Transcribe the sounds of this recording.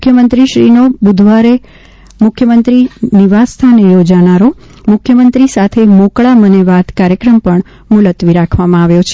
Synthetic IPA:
ʊkʰjəmənt̪ɾiʃɾinobud̪ʱʋaɾe | mʊkʰjəmənt̪ɾiniʋast̪ʰanejod͡ʒanaɾo | mʊkʰjəmənt̪ɾisat̪ʰemokɭaməneʋat̪kaɾjəkɾəmpəɳ | mulət̪ʋiɾakʰʋamãaʋjot͡ʃʰe

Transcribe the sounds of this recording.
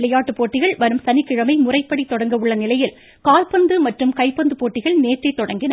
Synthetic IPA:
lɐjaːʈːɯpoːʈːɪɣɐɭʋɐɾɯmsɐnɪkːɪɻɐmɐɪmʊrɐɪpːɐɽit̪ːɔɽɐŋɡɐʋɯɭːɐnɪlɐjɪl | kaːlpɐnd̪ɯmɐʈrɯmkɐɪpːɐnd̪ɯpoːʈːɪɣɐɭneːʈrɐɪt̪ːɔɽɐŋɡɪnɐ

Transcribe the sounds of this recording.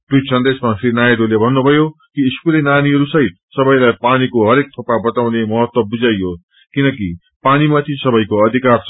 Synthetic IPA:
tusʌnd̪esmasrinajaɖolebʱʌnːubʱʌjokiːskulenaniɦʌɾusʌɦit̪̚sʌbʌjlajpanikoɦʌɾek̚t̪ʰʌpabʌt̪awnemʌɦʌt̪wʌbud͡zajːo | kinʌki | panimat̪ʰisʌbʌjkoʌd̪ʱikart͡sʰ

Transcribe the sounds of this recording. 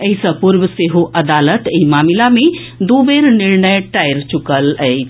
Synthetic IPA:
əɦisə̃puɾbəseɦoʔəd̪alət̪eɦimamilamed̪ubeɾniɾnəjʈajɾt͡ʃukələjʰ

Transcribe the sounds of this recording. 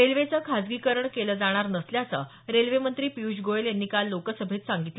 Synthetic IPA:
elʋet͡səkʰad͡zɡikəɾəɳkeləːd͡zaɽ̃aɾnəsljasə̰ | ɾelʋemənt̪ɾiːpiud͡ʑɡoeljanːiːkalːokəsəbʱet̪saŋɡit̪lə

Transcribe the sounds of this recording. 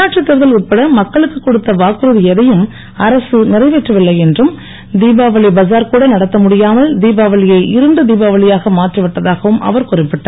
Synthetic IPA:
aːʈrit̪ːɪɾɯðɐlʊʈ̚pːɐɽɐmɐkːɐɭɯkːɯkːɔɽɯt̪ːɐʋaːkɯɾɯðɯɛðɐjɯm | ɐɾɐsɯnɪrɐɪʋɛʈrɐʋɪɭːɐɪɛndrɯm | d̪iːbaːʋɐɭɪbɐzaːɾkuːɽɐnɐɽɐt̪ːɐmʊɽɪjaːmɐld̪iːbaːʋɐɭɪjɐɪʔɪɾɯnɖɯd̪iːbaːʋɐɭɪjaːɣɐmaːʈriʋɪʈːɐðaːɣɐʋɯmʔɐ̰ʋɐɾkʊrɪpːɪʈːɐɾ

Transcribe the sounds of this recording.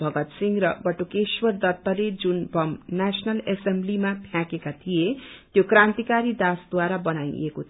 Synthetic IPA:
bʱʌɡʌt̪siŋɡrʌbʌʈukeswʌrd̪ʌt̪ːʌled͡zunbʌmnasʌnʌlesemblimapʰjãkekat̪ʰijet̪jokrãnt̪ikaɾid̪asd̪waɾabʌnajeko

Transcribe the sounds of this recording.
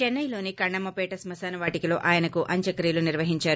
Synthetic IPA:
t͡ʃɛnːɐjlo̞ːnikɐɳɖɐmːɐpɛːʈɐsmɐsaːnɐʋaːʈikilo̞ːʔaːjɐnɐkuʔɐɲt͡ʃɐkɾiːluniɾʋɐɦiɲt͡ʃaːɾu

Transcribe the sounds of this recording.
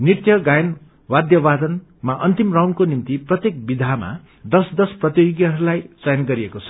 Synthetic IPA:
nirt̪jʌɡajʌn | wad̪jʌbad̪ʌn | maʔʌnt̪imrawnkonimt̪iprʌt̪jek̚bid̪ʱama̰ | d̪ʌsd̪ʌsprʌt̪joɡjʌɦʌɾulajt͡sajʌnɡʌɾiekot͡sʰʌ̥

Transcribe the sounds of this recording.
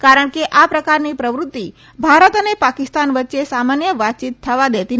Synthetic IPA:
kaɾəɳ̃keʔapɾəkaɾnipɾəʋɾʊt̪ːi | bʱaɾət̪ənepakɪst̪anʋətːʃesamanjəʋat̪t͡ʃit̪ʰːəʋad̪ɛt̪i

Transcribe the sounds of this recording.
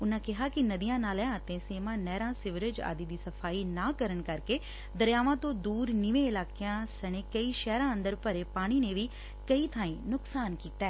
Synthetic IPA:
ʊnãːkɪɦakinɐd̪ijãːnaːlɛ̃t̪ẽseːmãːnɛːɾãːsɪʋɪɾɪd͡ʒa̰ːd̪id̪iːsɐfʰaːinaːkəɾəɳ̃kɐɾke | d̪əɾjaːʋãt̪õd̪uːɾniʋẽɪlaːkejãsɐɽ̃ekɐiʃɛːɾãːə̃nd̪əɾpəɾepaːɽ̃ineʋi | kɐit̪ʰãːĩːnʊksaːnkiːt̪ɛː

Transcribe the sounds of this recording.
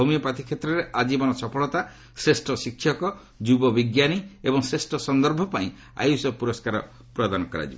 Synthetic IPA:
omiɔpat̪ʰikʰet̪ɾɔɾeʔad͡ʒibɔnɔsɔpʰɔɭɔt̪a | sɾesʈɔsikʰʃjɔkɔ | d͡ʒubɔbiɡjaniebɔŋsɾesʈɔsɔnd̪ɔɾbʱɔpaĩ | a̰jusɔpuɾɔskaɾɔ̰ | pɾɔd̪anɔkɔɾa̰d͡ʒibɔ

